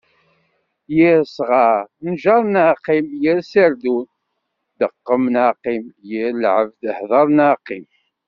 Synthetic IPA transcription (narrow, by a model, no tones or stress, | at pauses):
jiɾsʁɑɾnʒɑɾˤnaqimjiɾsəɾd̪un | d̪əqːəmnaqimjiɾlʕəvd̪əhðˤɑɾˤnaqim